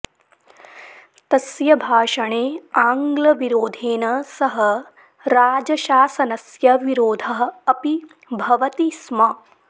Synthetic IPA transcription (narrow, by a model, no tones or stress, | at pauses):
t̪ɐsjɐbʱaːʃɐɳeːaːŋɡlɐʋiɾoːd̪ʱeːnɐsɐɦɐ | ɾaːd͡ʒɐʃaːsɐnɐsjɐʋiɾoːd̪ʱɐɦɐɐpi | bʱɐʋɐt̪ismɐ